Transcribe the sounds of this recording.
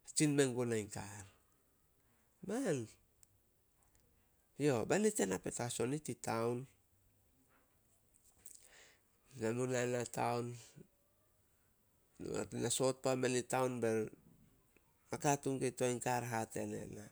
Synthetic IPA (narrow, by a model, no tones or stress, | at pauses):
t͡ʃinmeŋɡonajŋkaɾ | man | jo̞banitenape̞̰taso̞nititawn | namunanatawn | naso̞t̚pamenitawnbe | akatuŋɡetojŋkaɾɦate̞nḛna